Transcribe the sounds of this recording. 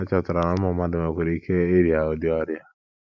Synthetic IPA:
a˦t͡ʃɔ˨tʊ˨ɾa˨na˦m˦ɔ˨ma˦dɪ˨ma˨kʷe˨ɾi˨˦kʰe˦e˦ɾi˨a˨o˨di˦a˦ɾi˦a˨

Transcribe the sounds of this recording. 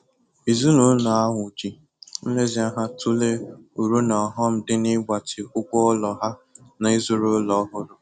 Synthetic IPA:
i˨zu˦lu˨˦na˨a˦ŋʷʊ˨d͡ʒi˨ | n̩˦le˦zi˨˦a˦ɦa˦tu˦le˦u˨ɾu˦nɔ˨ɦɔ˦m̩˦dɪ˦nɪ˦ɡ͡ba˨tɪ˨ʊ˦kʷʊ˦ɔ˦lɔ˨ɦa˦na˨i˦zʊ˦ɾʊ˦lɔ˨˦ɦʊ˦ɾʊ˨

